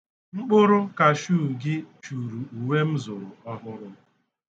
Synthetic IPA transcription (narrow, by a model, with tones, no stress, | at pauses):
ŋ͡m̩˦k͡pʊ˦ɾʊ˦ka˨ʃuː˦˨ɡɪ˦t͡ʃu˨ɾu˨u˨we˦m̩˦zʊ˨ɾʊ˨ɔ˦ɦʊ˦ɾʊ˦